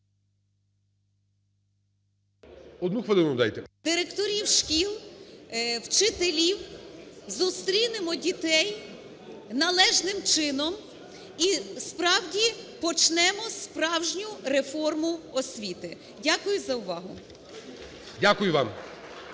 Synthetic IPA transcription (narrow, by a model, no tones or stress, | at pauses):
ɔd̪nuxʋɐlˠɪnɐmd̪a̰jt̪ɛd̪̥ɪɾekt̪ɔɾʲiwʃkʲilˠ | wt͡ʃɪt̪elʲiwzust̪ɾʲinɪmɔdʲit̪ɛj | nɐlˠɛʒnɪmt͡ʃɪnɔm | ispɾɑwdʲipɔt͡ʃnɛmɔspɾɑwʒnʲʊrefɔrmʊɔsʲʋʲit̪ɪ | dʲakʊjʊzɐʊʋɑɦʊ̰ | dʲakʊjʊʋɑm